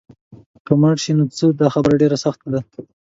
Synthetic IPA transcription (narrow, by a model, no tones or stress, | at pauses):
kəmaʈʃinot͡səd̪ɑxabɾaɖeɾasaxt̪ad̪a